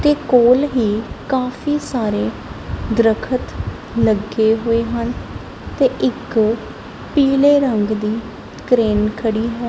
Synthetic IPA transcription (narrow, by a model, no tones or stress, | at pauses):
t̪eːkoːlɦiːkaːfʰiːsaːɾeː | d̪ɾəkʰət̪ | ləɡeːɦoːeːɦən | t̪eːʔɪk | piːleːɾəŋɡd̪iː | kɾeːnkʰəɽiːɦɛː